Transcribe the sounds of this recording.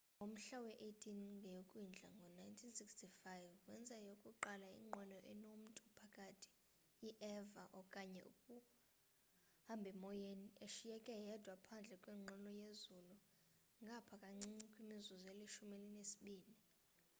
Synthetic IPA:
ŋom̩ɬawɛʔejtʰinŋɡʱɛjokʼwind͡ɮʱa̰ŋɡʱɔnajntʰinsikstʰifajvwɛnd͡zʱajokʼuǃalaḭŋ͡ǃɔnɔʔɛnom̩tʼupʰakʼatʰi̥ | jiʔɛvaʔɔkʼaɲɛʔṵkʼu | hambʱɛmɔjeneʃijɛkʼɛjɛd̥ʱwapʰand͡ɮʱɛkʼwiːŋ͡ǃʱɔnɔjezulu | ŋɡʱapʰakʼaŋ͡ǀiŋ͡ǀikʼwimizuzɔɛliʃumelinesi̥ɓiːni

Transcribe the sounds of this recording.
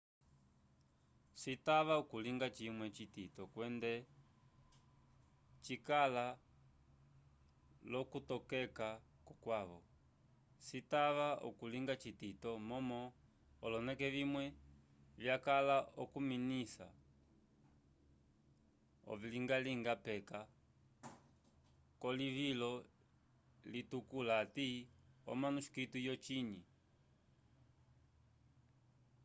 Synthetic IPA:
sitaβaukuliŋɡat͡ʃimwɛt͡ʃititɔkwɛndɛ | t͡ʃikala | lɔkutɔkɛka | kɔkwaβɔ̰ | sitaʋaṵkuliŋɡat͡ʃititɔmɔmɔ | ɔlɔnɛkɛvimwɛ | βjakalaɔkuminisa̰ | ɔ̰viliŋɡaliŋɡapɛka | kɔliβilɔ | litukulaːtiɔ̰manuʃi̥kitujɔt͡ʃiɲi

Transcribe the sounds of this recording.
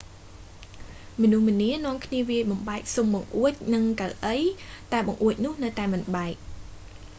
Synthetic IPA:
mɔnuhmɨ̆niənŏəmkʰniəʋiəjɓɑmɓaɛk̚sumɓɑŋʔuəc̚nɨŋkalʔəjt̪aɛɓɑŋʔuəc̚nʊ̆əhnɨwt̪aɛmɨnɓaɛk̚

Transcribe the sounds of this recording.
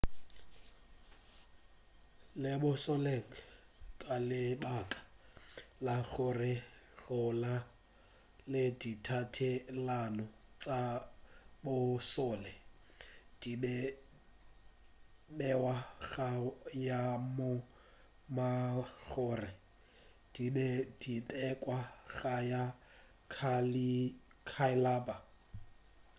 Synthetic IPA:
lɪbʊsɔleŋ̩kʼalɪbakʼḁ | laɣʊrɪɣʊla | lɪditʰatʰɪlanʊt͡sʼa | bʊsɔːlɛ | d̥ibɛ | bɛwaɣajamʊ | maɣʊːrɪ | d̥ibɛd̥itʼɛkʼwaɣaja | kʰalikʰaɪlaːba

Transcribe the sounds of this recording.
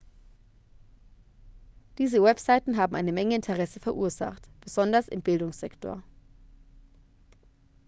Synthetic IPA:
d̥iːzəwɛpz̥aɪtn̩ɦaːbm̩ʔaɪnəmɛŋəɪntʰəʁɛsəfɛɐʔuːɐza̰χtb̥əzɔndɐsɪ̰mbɪldʊŋsz̥ɛktʰo̰ːɐ

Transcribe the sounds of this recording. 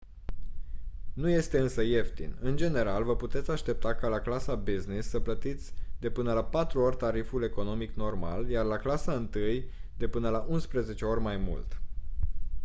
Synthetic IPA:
nuje̞st̪e̞ɨnsəje̞ft̪ḭnɨnd͡ʒe̞ne̞ɾalvəput̪e̞t̪sʲaʃt̪e̞p̚t̪akalaklasabiznisːəplət̪it̪sʲd̪e̞pɨnəlapat̪ɾuo̞rʲt̪aɾifule̞ko̞no̞mikno̞rma̰ljarlaklasaɨnt̪ɨjd̪e̞pɨnəlaʔunspɾəze̞t͡ʃe̞o̞rʲmajmṵlt̪

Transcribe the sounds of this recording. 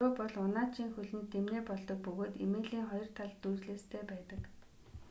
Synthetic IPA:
ʊːpɔɮʊnaːt͡ɕʰiːŋxɵɮɘ̆nt̪ʰemneːpɔɮt̪ɞ̆k̚pɵɣoːt̪emeːɮiːŋχɔjɞ̆r̥t̪ʰaɮt̪uːt͡ɕɮeːst̪ʰeːpæːt̪ə̆k

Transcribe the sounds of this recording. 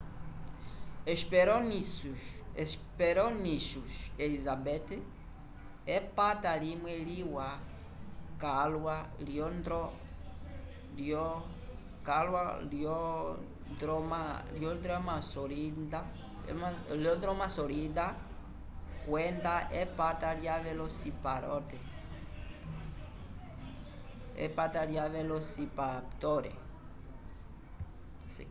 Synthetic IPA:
eʃpeɾɔni | ʃ | peɾoniʃuʃelizabete | epatalimwɛliwa | kalwaliɔnd̪ɾɔ | ljo | kalwalɔ | dɾɔmaljod̪ɾamasoɾind̪a̰ | maljod̪ɾomasoɾid̪a | kwend̪aʔepat̪aɾjaβelosipaɾot̪e | ḛpat̪aɾjaβelosipapt̪oɾḛ | s

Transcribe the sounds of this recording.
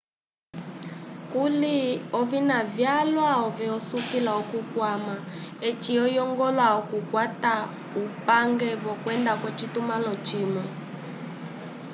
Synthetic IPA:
kuliɔvinavjalwaɔviɔsukilaɔkukwama | ɛt͡ʃiɔjɔŋɡɔlwaɔkukwata | upaŋɡɛvɔkwɛndakwɛt͡ʃitumalɔt͡ʃimɛ

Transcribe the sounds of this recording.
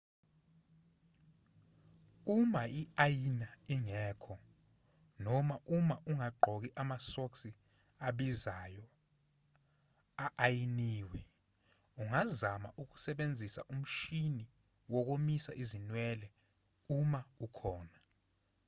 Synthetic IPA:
umaiajinaiŋɛːkʰɔ | nɔmaʔumaʔuŋaɡ͡ǃʱɔk̬iʔamasoksi | aɓizajɔ | aʔajiniːwɛ | uŋazama̰ʔuk̬u̥sɛɓend͡zʱisa̰ʔum̩ʃini | wɔk̬omisaʔizinwɛːlɛ | umaukʰɔːna

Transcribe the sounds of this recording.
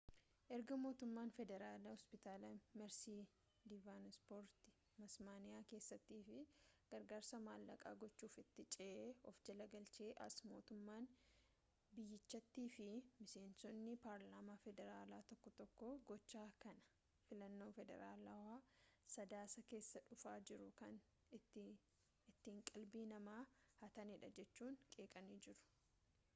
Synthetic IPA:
ʔɛɾɡɐmo̞ːt̪ʊmːaːnfɛd̪ɛɾaːlɐhɔspɪt̪aːlɐmɛɾsiː | d̪ɪvaːnspoːɾt̪ɪ̥ | mɐsmaːnɪjaːke̞ːsːɐt̪ːiːfɪɡ̥ɐɾɡaːɾsɐmaːlːɐkʼa̰ːɡɔt͡ʃːuːfɪt̪ːɪt͡ʃʼeʔɔfd͡ʒɐlɐɡɐlt͡ʃe̞ːʔɐ̰smo̞̰ːt̪ʊmːaːn | bɪjːɪt͡ʃːɐt̪ːiːfɪmɪse̞ːnsɔnːɪpaːɾlaːmaːfɛd̪ɛɾaːlaːt̪ɔkːɔt̪ɔkːɔɡɔt͡ʃːaːkɐnɐ̥ | fɪlɐnːoːfɛd̪ɛ̰ɾaːlɐwaːsɐd̪aːsɐke̞ːsːɐᶑʊfaːd͡ʒɪɾʊkɐnː | ɪt̪ːiːŋkʼɐlbiːnɐmaːhɐt̪ɐnɪᶑɐd͡ʒɛt͡ʃːuːŋkʼeːkʼɐniːd͡ʒɪɾʊ̥

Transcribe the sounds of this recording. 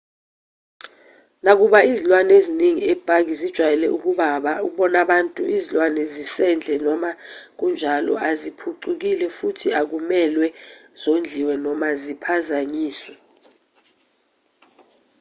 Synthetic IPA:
nak̬uɓaizilwaneziniŋiɛb̥ʱak̬izid̥ʒ̥ʱwajɛlɛ̰ʔuk̬uɓaɓauɓɔnaɓantʼuʔizilwanɛzisɛnd͡ɮʱɛnɔmak̬und͡ʒʱalɔ̰ʔazipʰuǀuk̬ilɛfutʰiak̬umɛlwɛz̥ond͡ɮʱiwɛnɔmazipʰazaɲiːswɛ

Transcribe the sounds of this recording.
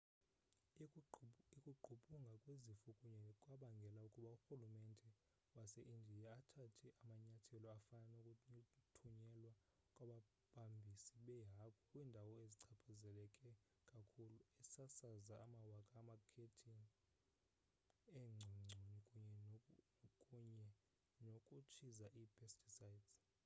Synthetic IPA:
ikʼuǃʱuɓʼuŋɡʱakʼwezifukʼuɲɛkʼwaɓaŋɡʱɛlaukʼuɓauxulumɛndʱɛ | wasɛʔindʱijaatʰatʰiʔamaɲatʰɛlɔafanaukʼutʰuɲɛlwa | kʼwaɓa | ɓʱambʱisiɓɛjakʰʼɔkʼwindʱawɔeziǀʰapʰazɛlɛkʼɛ | kʼakʰuluɛsasazaːmawakʼaːmakʰetʰin | ɛŋ͡ǀʱiŋ͡ǀʱonikʼuɲɛ | kʼuɲɛ | nokʼut͡ʃʰizaʔipʰʼestʰʼisaidz̥

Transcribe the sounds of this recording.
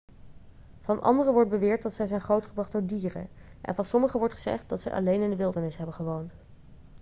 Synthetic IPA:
v̥ɑnʔɑ̰ndərəʋɔɹt̚bəʋɪːɹt̚dɑtsɛjzɛjnχrowtχəbrɑχdʊːɹdiːrə̰nʔɛ̰nvɑnsɔməχəʋɔɹtχəzɛ̰χt̚dɑtsɛ̰jʔɑ̰lejnɪndəʋɪlˠdəɹnɪsɦɛbənχəʋownt

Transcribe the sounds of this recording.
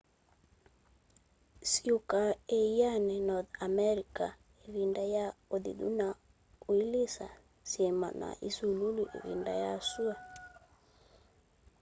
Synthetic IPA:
siukaeianɛnɔðamɛɾika̰ | eβindajaoðḭðṵna | uilesa | siɛma̰na̰ʔisululuʔḛvḭnda̰jasua

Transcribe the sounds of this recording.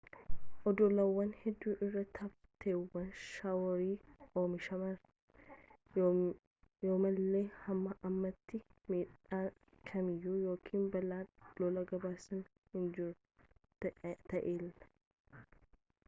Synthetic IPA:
ʔɔd̪ɔlɐwːɐnhɛd̪ːuːʔɪrːɐt̪ʰɐft̪ʰeːwːɐnʃawɔɾiːoːmɪʃɐmɐɾ | joːmɐlːe̞ːhɐmːɐʔɐmːɐt̪ːɪmiːᶑaː | kʰɐmɪjːuːjo̞ːkʰiːnbɐlaːlɔlɐɡɐbaːsɐn | hɪnd͡ʒɪɾʊ | t̪ɐʔeːlɐ

